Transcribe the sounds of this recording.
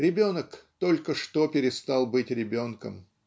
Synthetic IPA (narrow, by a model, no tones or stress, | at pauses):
ɾʲɪbʲo̞nəkt̪o̞lʲkəʂt̪opʲɪɾʲɪst̪ɑlˠbɨtʲɾʲɪbʲo̞nkə̰m